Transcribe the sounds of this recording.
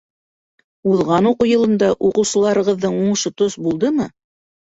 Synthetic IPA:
uðˠʁɑnuqŏjɤ̆lˠɤ̆nd̪ɑʔuqɤ̆wsɤ̆lˠɑɾɤ̆ʁɤ̆ðːɤɴuɴʃot̪osbulˠd̪ɤmɤ

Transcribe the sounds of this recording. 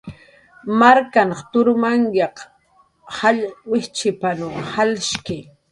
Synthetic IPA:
maɾkanχt̪ʊɾmaŋjɑq | hawɪht͡ʃɪpanʊŋhalʃkɪ

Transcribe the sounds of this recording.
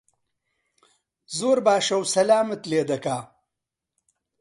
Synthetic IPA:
zoːɾbaːʃɐwsɐlaːmət̪leːd̪ɐkaː

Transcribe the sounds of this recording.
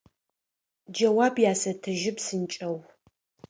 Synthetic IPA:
d͡ʒɐwaːbjaːsɐtʰɐʒɪpsɨnt͡ʃʼɐw

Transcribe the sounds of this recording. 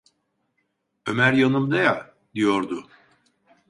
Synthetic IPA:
ø̞mæɾjanɯmd̪aja | d̪ijo̞ɾd̪ʊ

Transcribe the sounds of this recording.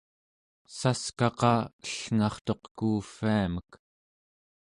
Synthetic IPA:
saskɑqɑəɬŋɑχt̪o̞qkuːfiamək

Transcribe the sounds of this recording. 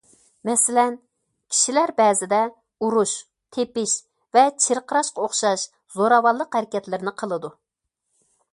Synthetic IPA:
mɛsɪlɛn | kʲʰi̥ʃilæɾbɛːzɪd̪ɛ | uɾuʃ | t̪ʰepɪʃ | vɛt͡ʃʰeɾqʰəɾɑʃqɑoχʃɑʃ | zoɾɑwɑlˠːəqhæɾɪkʲɛt̪lɪɾɪnɪqʰəlˠɨd̪u

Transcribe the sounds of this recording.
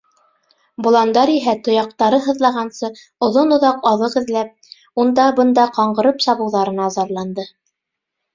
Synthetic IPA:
bŏlˠɑnd̪ɑɾiɦæt̪ŏjɑq̚t̪ɑɾɤɦɤ̆ðlˠɑʁɑnsɤ | ŏðonŏðɑqɑðɤqɘ̆ðlæp̚ | und̪ɑbɤ̆nd̪ɑqɑɴɢɤ̆ɾɤpsɑβɤ̆wðɑɾɤ̆nɑzɑɾlˠɑnd̪ɤ

